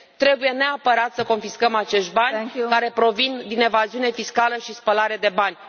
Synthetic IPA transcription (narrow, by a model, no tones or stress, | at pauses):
t̪ɾe̞buje̞ne̞apəɾat̪səko̞nfiskəmat͡ʃe̞ʃt̪̚ʲbankaɾe̞pɾo̞vind̪ine̞vaziune̞fiskaləʃispəlaɾe̞d̪e̞banʲ